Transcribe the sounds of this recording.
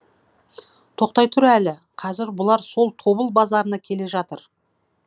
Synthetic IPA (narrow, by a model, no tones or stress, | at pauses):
t̪ʰo̞q̚t̪ɑjt̪ʰʊɾælɪ | qʰɑzɪɾbʊlˠɑɾso̞lˠt̪ʰo̞bəlˠbɑzɑɾənɑkʲʰe̞le̞ʒɑt̪əɾ